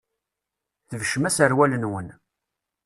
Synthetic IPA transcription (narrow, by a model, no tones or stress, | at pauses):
θəvʃəmæsəɾwælənwən